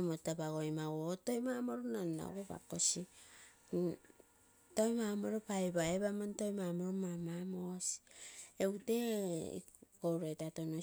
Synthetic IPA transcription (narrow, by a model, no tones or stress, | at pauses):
motabaɡo̞jmawotojmamoɾunanːa̰ɡoba̰kosi | tojmamoɾopajbaeβamontojmamoɾomamamosi̥ewte̞ḭ | kowɾetatono